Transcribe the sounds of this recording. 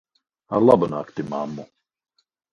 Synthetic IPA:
a̰ɾlˠabanaːkt̪imamːu

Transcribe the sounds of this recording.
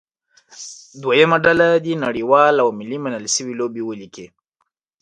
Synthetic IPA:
d̪wajəmaɖalad̪inaɽiwɑlawmɪlimanəlʃəwilobewəlike

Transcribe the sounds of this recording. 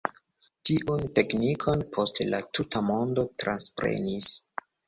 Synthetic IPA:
tiʔunte̞knikʰo̞npʰo̞stlatʰutʰamo̞ndo̞tɾanspɾe̞̰nis

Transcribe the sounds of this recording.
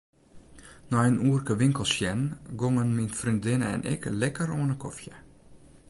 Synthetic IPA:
nɔənuərkəʋɪŋkəlˠsjɛnɡoŋənminfrindɪnəɛ̰nʔɪ̰klɛkəɾoːnəkʰɔfjə

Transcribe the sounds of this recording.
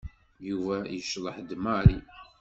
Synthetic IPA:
juvæjəʃðˤəħd̪mɑɾi

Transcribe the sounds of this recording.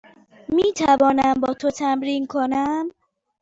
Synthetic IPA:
miːt̪ʰævɒːnæmbɒːt̪ʰot̪ʰæmɾiːnkʰonæm

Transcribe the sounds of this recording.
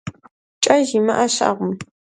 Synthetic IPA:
t͡ʃʼɐʒimɐʔɐɕa̰ʁʷʊm

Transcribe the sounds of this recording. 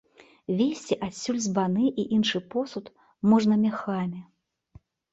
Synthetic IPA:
vʲesʲt͡sʲiʔasʲːulʲzbanɨʔiʔinʂɨpɔsut̪ | mɔʐnɐmʲaxamʲɛ

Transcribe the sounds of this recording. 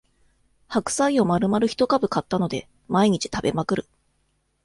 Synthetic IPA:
hakɯ̟̥saio̞maɾɯ̟maɾɯ̟çi̥t̪o̞kabɯ̟kat̪ːano̞d̪e̞ | maiɲ̟it͡ɕi̥t̪abe̞makɯ̟ɾɯ̟

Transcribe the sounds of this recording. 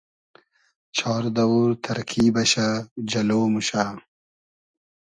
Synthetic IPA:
t͡ɕʰɑːɾd̪ɐwuɾt̪ʰɐɾkʰiːbɐɕad͡ʑɐloːmuɕaː

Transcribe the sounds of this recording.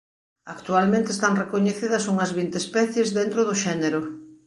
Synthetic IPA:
akt̪ualmẽnt̪eːst̪aŋrekoɲeθiðɐsuŋɐzβint̪espɛθjezðent̪ɾʊðʊʃɛneɾʊ

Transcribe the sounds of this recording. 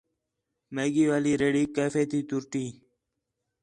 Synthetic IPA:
meɡiːʋaːliɾeːɽiːkeːfet̪it̪uɾʈiː

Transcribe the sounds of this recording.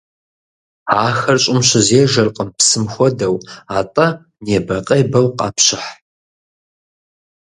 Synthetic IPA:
aːxɐrɕʼɪmɕɪzeːʒɐrqʼəmpsɨmxʷɔdɐwaːtʼɐ | neːbɐqʼɐjbɐwqʼɑ̰ːpɕɪħ

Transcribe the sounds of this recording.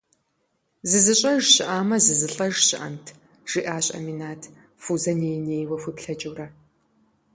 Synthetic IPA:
zɨzɨɕʼɐʒɕɪʔaːmɐzɨzɨɬʼɐʒɕɪʔɐ̰ntʰ | ʒ̥iʔaːɕʼɐ̰minaːtʰ | fuzɐneːjneːjwɐxʷɨpɬɐt͡ʃʼɨwrɐ

